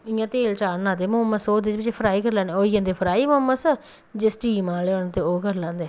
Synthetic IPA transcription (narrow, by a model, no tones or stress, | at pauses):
ɪjãːt̪eːlt͡ʃaːnaːt̪eːmʊmːəsoːd̪ɪt͡ʃbɪt͡ʃepʰɾaːiːkəɾlãːnd̪eoːiãːnd̪eːpʰəɾaːiːmoəmːəsə | d͡ʒɪsʈiːmaːleoɳt̪eːoːkəɾlãːnd̪eː